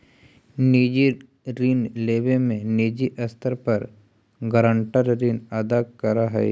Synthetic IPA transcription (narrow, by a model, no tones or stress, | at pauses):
niːd͡ʒi | ɾiːnleːbemẽniːd͡ʒiʔɐst̪ʰəɾpɐɾ | ɡəɾə̃ɳʈəɾɾiːnad̪akɐɾaɦɛ